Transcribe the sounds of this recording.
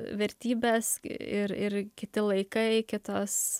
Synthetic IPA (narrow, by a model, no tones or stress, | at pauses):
ʋʲɛɾʲt̪ʲiːbʲeːsɪɾɪɾkʲɪt̪ʲɪlˠɐɪkɐɪkʲɪt̪oːs